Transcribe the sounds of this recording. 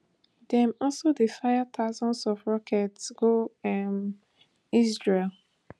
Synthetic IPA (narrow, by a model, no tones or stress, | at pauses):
dɛ̃mɔlsodefajat̪ʰaʊzɔ̃nsɔvɹɔkʰɛtsɡ̥oɛm | isɹel